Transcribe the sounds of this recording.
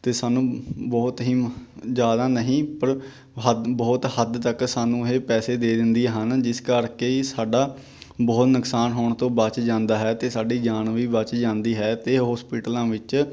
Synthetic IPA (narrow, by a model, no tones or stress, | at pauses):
t̪eːsaːnũːbɔːt̪ɦiːd͡ʒjaːd̪aːnəɦĩːpəɾ | ɦəbɔːt̪həd̪t̪əksaːnũːɦeːpɛːseːd̪eːd̪ɪnd̪iːɦənd͡ʒɪskəɾkeːisaːɖaː | bɔːt̪nəksaːnɦoːɳt̪õːbət͡ʃd͡ʒãːnd̪aːɦɛːt̪eːsaːɖiːd͡ʒaːnʋiːbət͡ʃd͡ʒãːnd̪iːɦɛːt̪eːɦɔːspiːʈəlãːʋɪt͡ʃ